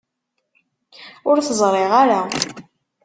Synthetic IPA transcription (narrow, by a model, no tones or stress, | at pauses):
ʊɾθəzˤɾˤeʁaɾa